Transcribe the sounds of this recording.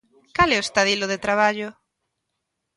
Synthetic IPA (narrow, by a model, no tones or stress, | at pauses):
kalɛoest̪aðilʊðet̪ɾaβ̞aʎʊ